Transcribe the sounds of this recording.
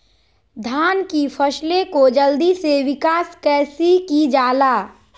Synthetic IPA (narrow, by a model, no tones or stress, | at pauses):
d̪ʱaːnkipʰəslẽkod͡ʒəld̪iseʋɪkaːskɛːsikid͡ʒaːlaː